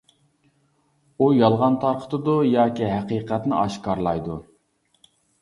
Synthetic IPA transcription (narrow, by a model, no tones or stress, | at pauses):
ujɑlˠʁɑnt̪ʰɑɾqʰə̥t̪ʰɨd̪ujɑːkʲiɦæqiːqʰæt̪nɪʔɑʃkɑɾlˠɑjd̪u